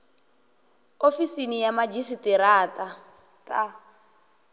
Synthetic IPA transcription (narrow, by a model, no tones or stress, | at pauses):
ofisinijamad͡ʒisitiɾaːtʼa | tʼa